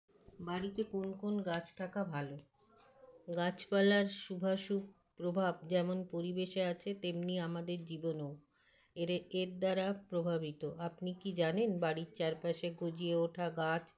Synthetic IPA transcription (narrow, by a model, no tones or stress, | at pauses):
baɽit̪ekonkonɡat͡ɕt̪ʰakabʱalo | ɡat͡ɕpalaɾʃubʱaʃuk̚ | pɾobʱabd͡ʑɛmonpoɾibeʃeat͡ɕʰet̪emniamad̪eɾd͡ʑibonow | eɾeɾd̪aɾapɾobʱabit̪oʔapnikid͡ʑanenbaɽiɾt͡ɕaɾpaʃeɡod͡ʑieoʈʰaɡat͡ɕ